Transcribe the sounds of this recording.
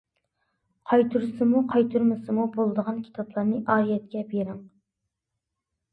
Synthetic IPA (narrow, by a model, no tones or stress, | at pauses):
qʰɑjt̪ʰuɾsɨmuqʰɑjt̪ʰuɾmɨsɨmubolˠɨd̪əʁɑnkʲʰi̥t̪ʰɑplˠɑɾnɨʔɑːɾijɛt̪̚kʲɛbeɾɪŋ